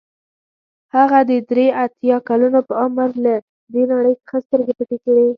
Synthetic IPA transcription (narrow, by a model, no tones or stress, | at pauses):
haɣad̪əd̪ɾeat̪jɑkalunopəamɾla | d̪enaɽəjsə̥xəst̪əɾɡepəʈekaɽi